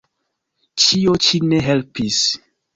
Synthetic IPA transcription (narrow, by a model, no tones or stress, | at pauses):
t͡ʃiot͡ʃineɦelpis